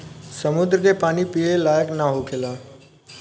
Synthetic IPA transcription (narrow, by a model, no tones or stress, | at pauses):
səmud̪ɾəkepanipielajəknaɦokʰela